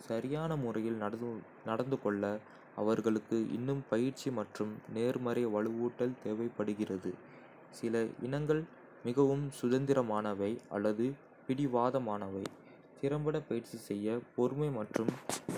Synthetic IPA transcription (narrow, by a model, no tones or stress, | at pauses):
sɐɾɪjaːnɐmʊrɐjɪl | nɐɽɐnd̪ɯkɔɭːɐ | ɐ̰ʋɐɾɣɐɭɯkːɯʔɪ̰nːɯmpɐjɪɾt͡ʃːimɐʈrɯmneːɾmɐɾɐjʋɐɭɯʋuːʈːɐlt̪eːʋɐɪpːɐɽɯɣɪrɐðɯ | sɪlɐʔɪ̰nɐŋɡɐɭ | mɪɣɐʋɯmsʊðɐnd̪ɪɾɐmaːnɐʋɐɪʔɐ̰lːɐðɯ | pɪɽɪʋaːðɐmaːnɐʋɐɪ | t̪ɪɾɐmbɐɽɐpːɐjɪɾt͡ʃisɛjːɐpɔɾɯmɐɪmɐʈrɯm